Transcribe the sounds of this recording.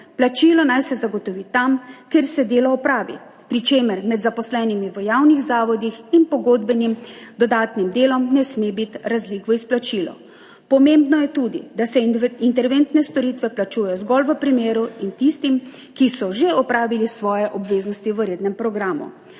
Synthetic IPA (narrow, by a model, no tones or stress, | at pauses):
plat͡ʃilɔnajsɛzaɡɔt̪ɔʋit̪amkeɾsɛd̪eːlɔɔpɾaːʋḭpɾit͡ʃeːməɾmɛd̪zapɔslɛːnimiʋəjawniɣzaːʋɔd̪ixinpɔɡod̪bɛnimd̪ɔd̪aːt̪nimd̪eːlɔmnɛsmebit̪ɾazlikʋɔisplat͡ʃiːlɔ̰ | pɔmembnɔjɛt̪uːd̪ḭd̪asɛint̪ɛɾʋent̪nɛst̪ɔɾiːt̪ʋɛplat͡ʃujɛjɔzɡɔlʋəpɾimeːɾuint̪ist̪im | kisɔʒeɔpɾaːʋilisʋɔːjɛʔɔbʋeːznɔst̪iʋəɾeːd̪nɛmpɾɔɡɾaːmṵ